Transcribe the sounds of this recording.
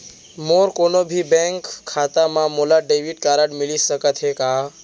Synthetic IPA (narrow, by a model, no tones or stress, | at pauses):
moːɾkonobʱibẽŋkʰːaːt̪amãmolaɖeʋiɖ̚kaɾəɽmɪlisəkət̪ɦekaː